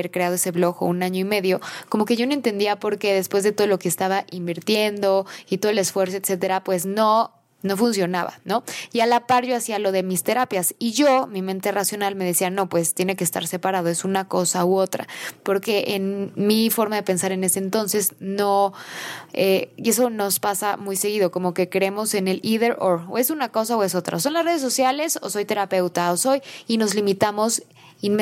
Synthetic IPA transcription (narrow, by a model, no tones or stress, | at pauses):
eɾkɾe̞aðoe̞se̞βlo̞xo̰unaɲo̞ime̞ðjo̞ko̞mo̞keʝo̞noe̞nt̪e̞nd̪iapo̞ɾke̞ðe̞spwezðe̞t̪oðolokeːst̪aβaʔimbiɾt̪je̞nd̪o̞it̪o̞ð̞ele̞sfwe̞ɾs̬o̞et̪se̞t̪e̞ɾapwe̞sno̞ | no̞funs̬jo̞naβa̰no̞ialapaɾʝo̞asialo̞ðe̞mist̪e̞ɾapjasiʝo̞mĩmẽnt̪e̞rasjo̞nalme̞ð̞e̞siano̞pwe̞st̪jene̞keːst̪a̰ɾse̞paɾað̞o̞e̞sunako̞sauo̞t̪ɾa̰po̞ɾke̞ʔenmifo̞ɾmaðe̞pe̞nsaɾe̞ne̞seːnt̪o̞nse̞sno̞ | eie̞s̬o̞no̞spasamujse̞ɣiðo̞ko̞mo̞ke̞kɾee̞mo̞se̞ne̞liðe̞ɾoɾoe̞sunako̞saoe̞so̞t̪ɾa̰oso̞nlasre̞ð̞es̬o̞sjale̞so̰so̞jt̪e̞ɾape̞wt̪aoso̞jino̞zlimit̪amo̞s | in